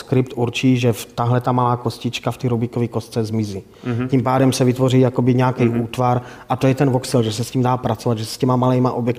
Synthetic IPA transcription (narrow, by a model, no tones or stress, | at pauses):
skɾɪpt̪ʔuɾt͡ʃiːʒɛft̪aɦlɛt̪amalaːko̞scɪt͡ʃkaft̪iːɾubikovikost͡sɛzmɪziː | cimpaːdɛmsɛvɪt̪vo̞riːjakobɪɲɛakɛjʔuːt̪vaɾʔat̪ojɛt̪ɛnvoksɪlʒɛsɛsciːmdaːpɾat͡sovad̪ʒɛsɛ̥scɛmamalɛjmaʔobjɛk